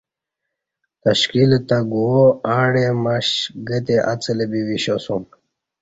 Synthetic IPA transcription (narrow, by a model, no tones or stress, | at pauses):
t̪ɐɕkilt̪aɡuoãːɽemaɕɡət̪̬eʔa̰t͡səlebiwiɕosum